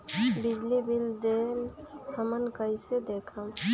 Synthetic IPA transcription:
bid͡ʒlibild̪elhəmənkəjsed̪ekʰəm

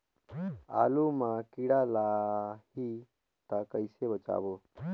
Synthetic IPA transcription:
aːlumãkiɽalaɦi | t̪əkəɪsebət͡ʃa̰ːbo

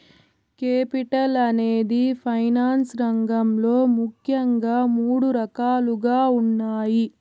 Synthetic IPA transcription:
keːpiʈɐlɐneːd̪ipʰɐjnaːnsɾɐŋɡɐmlo̞ːmukʰjɐŋɡaːmuːɽuɾɐkaːluɡaːunːaːji

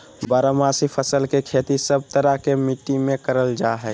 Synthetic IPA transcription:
bəɾəmaːsipʰəsəlkekʰeːt̪isəb̚t̪əɾakemiʈːimẽkəɾəld͡ʒaɦɛ

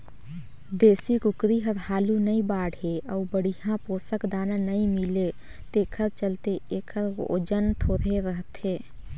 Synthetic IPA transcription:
d̪eːsikʊkɾiɦəɾhaːlunəĩbaːɽɦeəubəɽijãpoːsəkd̪aːnãnəĩmɪle | t̪eːkʰəɾt͡ʃəlt̪eeːkʰəɾo̰d͡ʒənt̪ʰoːɾeɾəɦət̪eː

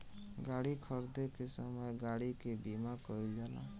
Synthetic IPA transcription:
ɡaɽikʰɔɾd̪ekesɔmɔjɡaɽikebimakɔild͡ʒalã̰

